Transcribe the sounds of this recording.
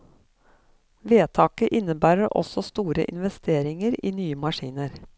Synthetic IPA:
ʋeːt̪ʰɑːkəʔɪnəbæːɾəɾʔɔ̰sɔst̪uːɾə̰ʔɪ̰nʋɛst̪ʰeːɾɪŋəɾiːnyːəmɑʃiːnəɾ

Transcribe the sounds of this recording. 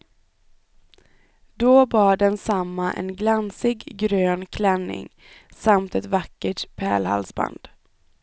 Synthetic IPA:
d̪ɔbɑːɖɛnsamːaʔɛ̰nɡlansɪɡɡɾøːnkʰlɛnːɪ̰ŋ | samt̪ɛt̪vakːəʈpʰɛːlha̰lsba̰nd̪̥

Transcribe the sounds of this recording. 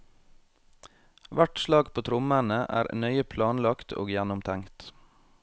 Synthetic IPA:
ʋæʈʃlɑːɡpʰoːt̪ʰɾʊmənəʔæ̰ːɾnœʏəpʰlɑːnlɑkt̪ʰo̰ːɡjænʊmt̪ʰæŋt̪

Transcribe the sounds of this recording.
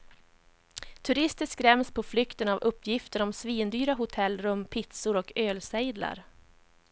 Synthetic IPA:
t̪ʰɵɾɪst̪əʂkɾɛmspʰɔflʏkt̪ənavɵpːjɪft̪əɾɔmsviːnd̪yːɾaɦʊt̪ʰɛlːɾɵmːpʰɪt̪sʊɾɔkøːlsɛjd̪la̰ɾ

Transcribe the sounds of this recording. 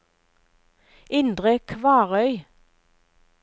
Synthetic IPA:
ɪnd̪ʁəkʰʋɑːʁœʏ

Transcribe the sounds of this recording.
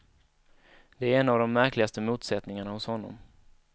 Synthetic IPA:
d̪̥ɛæɾɛnːavd̪ɔmːæɾklɪɡast̪əmuːt̪sɛt̪nɪŋaɳahʊshɔnːɔ̰m

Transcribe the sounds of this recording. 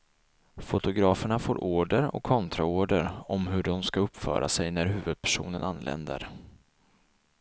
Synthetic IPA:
fʊt̪ʊɡɾɑːfəɳafoːɾʔoːɖəɾɔ̰kʰːɔnt̪ʰɾaoːɖəɾɔmɦɵɖɔmskaɵpːfœ̰ːɾa̰sɛjnæɾɦʉ̟ːvɵd̪̚pʰæ̥ʂṵːnənanːlɛ̰nd̪ə̰ɾ

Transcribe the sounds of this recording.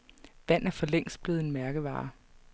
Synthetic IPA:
ʋæn̰æɐfɒ̽leŋ̰sb̥leð̩ˠe̝nmæɐɡ̥əʋɑ̰̈ː

